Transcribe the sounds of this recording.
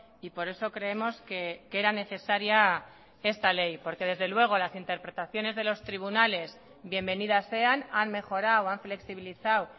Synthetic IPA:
ipo̞ɾe̞so̞kɾe̞e̞mo̞skeke̞ɾane̞θe̞saɾja | e̞st̪ale̞jpo̞ɾke̞ð̞e̞zðe̞lwe̞ɣ̞o̞lasint̪e̞ɾpɾe̞t̪aθjo̞ne̞zð̞e̞lo̞st̪ɾiβ̞unale̞s | bje̞mbe̞nið̞asːe̞ananme̞xo̞ɾawaɱfle̞ksiβ̞iliθaw

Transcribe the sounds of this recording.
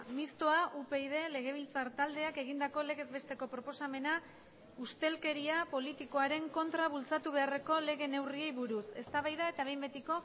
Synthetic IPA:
mist̪o̞aʔupe̞iðe̞le̞ɣ̞e̞β̞ilt͡saɾt̪ald̪e̞ake̞ɣ̞ind̪ako̞le̞ɣe̞zβe̞st̪e̞ko̞pɾo̞po̞same̞na | ust̪e̞lke̞ɾiapo̞lit̪iko̞aɾe̞ŋko̞nt̪ɾaβult͡sat̪uβ̞e̞are̞ko̞le̞ɣe̞ne̞wrie̞jβuɾuse̞st̪aβajðae̞t̪aβ̞e̞jmbe̞t̪iko̞

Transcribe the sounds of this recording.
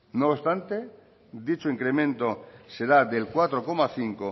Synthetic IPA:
nost̪ant̪e | d̪it͡ʃoiŋkɾemẽnt̪oseɾad̪elkwat̪ɾokomaθiŋko

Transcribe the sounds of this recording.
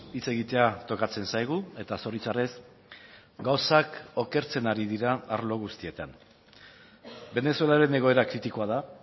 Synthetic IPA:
it͡se̞ɣit̪e̞at̪o̞kat͡se̞nsajɣ̞ue̞t̪aso̞ɾit͡sare̞s | ɡawsako̞ke̞ɾt͡se̞naɾiðiɾaːɾlo̞ɣ̞ust̪iet̪an | be̞ne̞sue̞laɾe̞ne̞ɣ̞o̞e̞ɾakɾit̪iko̞aða

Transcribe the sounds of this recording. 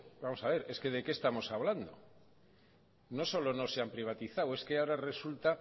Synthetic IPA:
bamo̞saβ̞e̞ɾe̞ske̞ð̞e̞ke̞ːst̪amo̞saβland̪o̞̰ | no̞so̞lo̞no̞se̞ampɾiβ̞at̪iθawe̞skeaoɾare̞sult̪a

